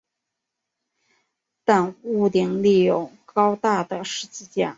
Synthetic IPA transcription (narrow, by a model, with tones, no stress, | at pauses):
t̪a˥˧nu˥˩t̪i˧˩ŋli˥˩jo˨˩ʊkɑ˥ʊt̪a˥˩d̪ə˩ʂɻ̩˧˥t͡ɕ̩˥˧t͡ɕja˥˩